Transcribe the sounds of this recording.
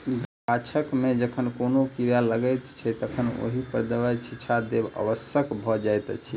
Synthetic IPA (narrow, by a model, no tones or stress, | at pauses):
pat͡ʃʰəkmed͡ʒəkʰənkonokiɾjaləɡəjt̪t͡ʃʰɛt̪əkʰəno̰ɦipəɾd̪əʋat͡ʃʰit͡ʃʰad̪ebə̰ʋəsjəkbʱɔd͡ʒajt̪t͡ʃʰi